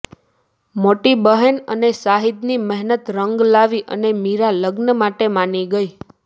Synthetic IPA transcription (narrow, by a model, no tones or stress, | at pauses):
moʈibəɦənə̰nesaɦid̪niməɦnət̪ɾəŋɡlaʋiʔə̰nemiɾaləɡnəmaʈemaniɡəi